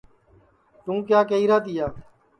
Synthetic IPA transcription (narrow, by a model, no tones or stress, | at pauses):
t̪ũːkjaːkeiːɾaːt̪ɪjaː